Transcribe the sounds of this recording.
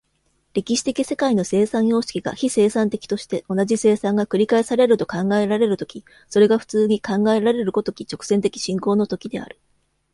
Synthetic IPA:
ɾʲe̞kʲiɕi̥t̪e̞kʲise̞kaino̞se̞ːsãɰ̃jo̞ːɕi̥kʲiɡa̰çise̞ːsãnt̪e̞kʲi̥t̪o̞ɕi̥t̪e̞o̞naʑise̞ːsãŋɡakɯ̟ɾʲikaesaɾe̞ɾɯ̟t̪o̞kãŋɡae̞ɾaɾe̞ɾɯ̟t̪o̞̥kʲi | so̞ɾe̞ɡaɸɯ̟̥t͡sɨːɲ̟ikãŋɡae̞ɾaɾe̞ɾɯ̟kot̪o̞kʲit͡ɕo̞kɯ̟̥z̥e̞nt̪e̞kʲi̥ɕĩŋko̞ːno̞t̪o̞kʲid̪e̞̰a̰ɾɯ̟

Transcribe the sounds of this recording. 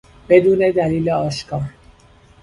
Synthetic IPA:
b̥e̞d̪uːne̞d̪æliːleɒːʃkʰɒːɾ

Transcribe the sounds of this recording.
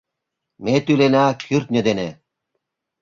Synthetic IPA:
met̪ylenakʰyɾt̪̚nʲed̪ene

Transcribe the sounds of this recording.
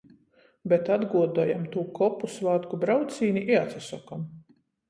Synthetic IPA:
bet̪ad̪ɡuɔd̪uɔjamt̪uːkɔpːusvaːt̪kubɾawt̪siːniʔiɛat̪sasɔkam

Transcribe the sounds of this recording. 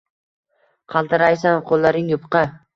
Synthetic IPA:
qʰɑlˠt̪ʰɪɾajsanqʰolˠːaɾɪŋjʊpqɑ

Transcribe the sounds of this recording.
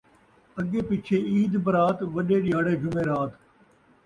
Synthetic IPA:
əɡeːpɪt͡ʃʰeːiːd̪bəɾaːt̪ʋəɗeːɗijaːɽeːd͡ʒʊmeːɾaːt̪

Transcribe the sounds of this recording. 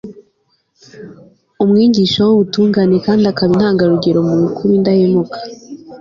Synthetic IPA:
umŋiːɲɡiʃowoβutuːŋɡaːne̞kaːndiakaβin̥haːŋɡaɾuɡe̞ɾo̞muukʰuɾundahemukʰḁ

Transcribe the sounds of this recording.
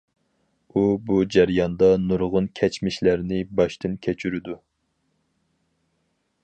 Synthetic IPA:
ubud͡ʒæɾjɑnd̪ɑnuɾʁʊnkʲʰɛt͡ʃmɪʃlæɾnɪbɑʃt̪ɨnkʲʰɛt͡ʃʰyɾyd̪u

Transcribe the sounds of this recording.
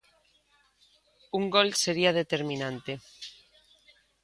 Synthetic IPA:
uŋɡolseɾiɐð̞et̪eɾmĩnãnt̪e

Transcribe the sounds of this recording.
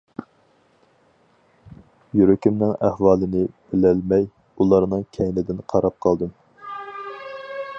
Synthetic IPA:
jyɾykʲimnɪŋæhwɑːlˠɨnɪb̥ɪlɛlmɛj | ulˠɑɾnɨŋkʲʰɛjnɪd̪ɪnqʰɑɾɑp̚qʰɑlˠd̪ɨm

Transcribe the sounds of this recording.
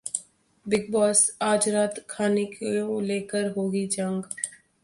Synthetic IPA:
bɪɡ̚bɔːsaːd͡ʒɾaːt̪kʰaːnekeleːkəɾɦoːɡid͡ʒɐ̃ŋɡ

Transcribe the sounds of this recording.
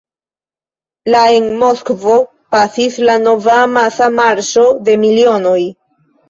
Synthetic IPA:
lae̞nmo̞skvo̞ | pasislano̞vamasamaɾʃo̞de̞milio̞no̞j

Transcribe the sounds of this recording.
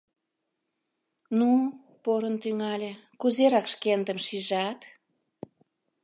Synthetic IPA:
nu | poɾənt̪yŋɑlʲekuzeɾɑkʃkend̪əmʃiʒɑt̪

